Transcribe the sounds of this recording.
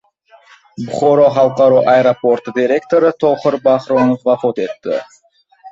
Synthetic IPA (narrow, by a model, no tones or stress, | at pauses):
buχoɾoɦɑlˠqɑɾoːʔɐjeɾoport̪d̪ʲiɾʲe̞kt̪oɾɨt̪ʰoχoɾbɑχɾonofbɑfot̪et̪ːɪ̰